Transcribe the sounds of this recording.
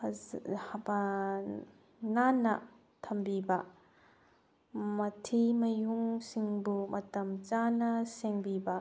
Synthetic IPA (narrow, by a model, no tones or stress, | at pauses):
hba | nanaʔ | t̪ʰɐmbibaʔ | mɐt̪ʰimɐjuŋsiŋbumʔɐt̪ɐmt͡ʃanasɛŋbibaʔ